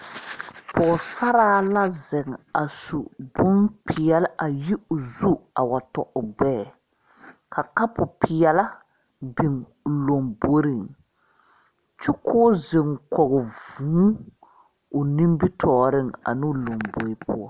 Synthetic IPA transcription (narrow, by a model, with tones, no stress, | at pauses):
pʰɔː˨sa˦ɾaː˦la˦zɛ˨ŋa˨su˨bʊ˦npʰɪ˨ɛ˨lʔa˨ji˦ʊ˨zu˦a˨wa˨tɔ˨ʔʊ˨ɡ͡bɛː˦˨ | kʰa˨ka˦pʊ˨pʰɪ˨ɛ˨la˦ | bi˨ŋ˨ | lo˨mbo˦ɾi˦˨ŋ | t͡ʃʊ˦kʰʊː˦zɪ˨ŋkɔ˨ɣɔ˨vuː˨˦ | ʊ˨nĩ˦mbi˦tʰɔː˨ɾɪ˦ŋa̰˨nɪ˦lo˨ŋbo˨ɪ˦pʊ̰˦ɔ˦